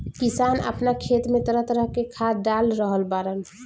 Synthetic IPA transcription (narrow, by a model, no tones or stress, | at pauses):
kisanə̰pnakʰet̪met̪əɾət̪ɾəɦkekʰaɖalɾəɦəlbaɾəl